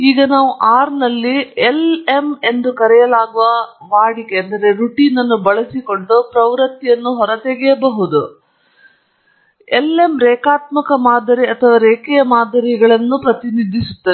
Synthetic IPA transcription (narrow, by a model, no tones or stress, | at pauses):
iːɡɐnaːʋuʔaːɾnɐlːiele̞me̞nd̪ukɐɾɛjɐlaːɡuʋɐʋaːɽikeɐnd̪ɐɾe̞ɾuʈiːnɐnːubɐɭɐsiko̞ɳɖupɾɐʋɾɐt̪ːijɐnːuɦɔɾɐt̪eɡɛjɐbɐɦud̪u | ele̞mɾɛːkaːt̪mɐkɐmaːd̪ɐɾiɐt̪ʰɐʋaːɾeːkɛjɐmaːd̪ʱɐɾiɡɐɭɐnːupɾɐt̪inid̪ʱːisut̪ːɐ